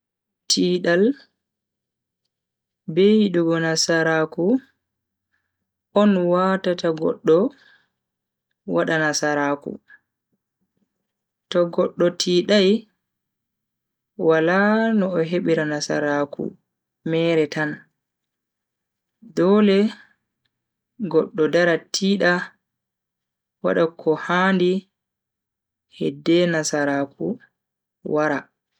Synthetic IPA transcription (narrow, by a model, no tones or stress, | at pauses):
tʰiːɗal | bejiɗuɡɔnasaɾaːku | ɔnwaːtataɡɔ̰ɗːɔ | waɗanasaɾaːkṵ | tɔɡɔɗːɔtʰiːɗaj | walanɔːɦeɓiɾanasa̰ɾakṵ | mɛːɾɛtan | dɔːlɛ | ɡɔɗːɔdaɾatʰiːɗa | wa̰ɗakʰːɔhaːndi | hɛ̰dːɛnasaɾaːkṵ | wʔaɾa